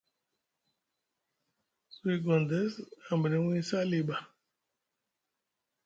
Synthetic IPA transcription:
si˨ɡɔ̃˨nd̪ɛ˦sã˨mbɾĩ˨˦wĩ˦sa˦li˨ba˨

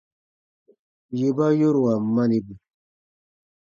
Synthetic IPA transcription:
je˨ba˦jo˦ɾwa˨ma˦ni˨bi˨

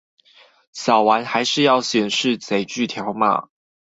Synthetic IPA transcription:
ɕɑ˨˩ʊwa˧˦˥nxa˧˥ɪʂɻ̩˥˧jɑ˥˩ʊɕjɛ˨˩nʂɻ̩˥˨t͡se˨˩ɪt͡ɕy˥˨t̪ʰjɑ˧˥˦ʊma̰˨

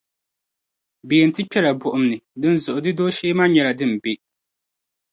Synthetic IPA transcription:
beː˨n̩˨tɪ˦pɛ˦la˨bʊ˨ʔʊ˨mnɨ˨dɨ˦n˦zʊ˨ʔʊ˨dɨ˦doː˦ʃeː˦ma˦ɲɛ˨la˨dɨ˦m̩˨be˦

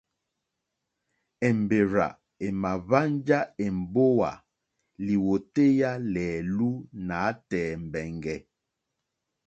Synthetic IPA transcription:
ɛ˨m˨be˨ɾa̰˨ | e˨ma˨va˦nd͡ʒa˦e˨m̩˨bo˦wa̰˨ | li˨wo˨te˦ja˦lɛː˨lu˦naː˨˦tɛː˨m̩˨bɛ˨ŋɡɛ˨

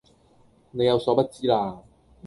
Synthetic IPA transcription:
ne˨˧jɐ˨˧wsɔː˨˧˥pɐ˥t̚t͡siː˥laː˧

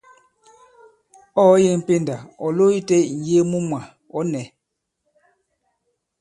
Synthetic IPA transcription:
ɔ˦je˦˨m̩˨pe˦˨nda˨ɔ˨lo˦i˦tɛ˦˨n̩˨je˦mu˦mwa˨ | ɔ˨˦nɛ˨˦

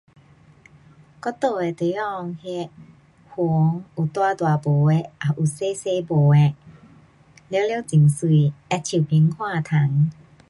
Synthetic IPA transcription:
kɔ˧˦t̪o˧˩e˨t̪e˨˦ɔ˧ŋhe˧ | hu˨˧˦ŋʔu˨˩t̪waː˥˧t̪wa˨˩bo˨˩e˧˦ʔa˨˩ʔu˨˩se˧˦se˧bo˨˩ɛ˧ | le˧˦le˧˦t͡ɕi˨˩ŋsu˧˩˨ɛ˧t͡ɕʰi˨˩pi˨˧˦ŋkʰwaː˥˧˨t̪ʰa˨˦ŋ

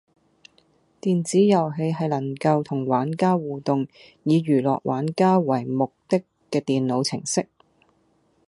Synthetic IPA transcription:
t̪iː˨nt͡siː˨˥jɐ˨wɦe˧jɦɐ˨jlɐ˨˩ŋkɐ˧wt̪ʰʊ˨˩ŋwaː˨˥nkaː˥wuː˨t̪ʊ˨ŋ | jiː˨˧ɥyː˨˩lɔ̰ː˨k̚wʔa̰ː˨˥nkaː˥wɐ˨˩jmʊ˨k̚t̪ɪ˥kːɛː˧t̪iː˨nlo˨˧wt͡sʰɪ˨˩ŋsɪ˥k̚

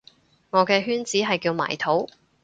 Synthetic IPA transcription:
ŋɔː˨˧kɛː˧ɦyː˥nt͡siː˨˥ɦɐ˨jkiː˧wma̰ː˨˩jt̪ʰo˨˥w

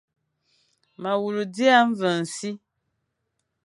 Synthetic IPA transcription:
ma˨wu˨lu˨di˦a˦ɱ˦və˨n̩˨si˦

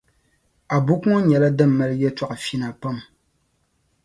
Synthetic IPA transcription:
a˨bu˦kŋɔ˦ɲɛ˨la˦dɨ˦˨m̩ː˨ɛ˦lɨ˦jɛ˦ta˦˨ʔfi˦na˨pa˦˨m

